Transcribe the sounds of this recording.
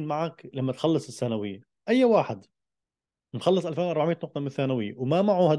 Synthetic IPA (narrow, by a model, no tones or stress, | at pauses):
nmaʕaklamːat̪xɑlːɨsˤɪsːanawɪjːa | ʔajːawaːħɪd̪ | nxɑlːɨsˤʔalfeːnwʔɑɾbaʕmiːt̪nʊq̚t̪ˤɑmɪnɪθːaːnawɪjːawmamaʕuhad̪